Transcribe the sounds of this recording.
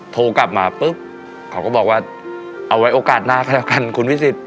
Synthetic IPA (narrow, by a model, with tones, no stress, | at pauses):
t̪ʰoː˧ka˨˩p̚maː˧pɯ˦˥p̚ | kʰa˦wkɔː˥˩bɔː˨˩k̚waː˥˩ | ʔa˧wa˦˥jʔoː˧kaː˨˩t̪̚naː˥˩kʰa˥˩dɛ˦˥˩ka˧nkʰu˧nwi˦˥˩si˨˩t̪̚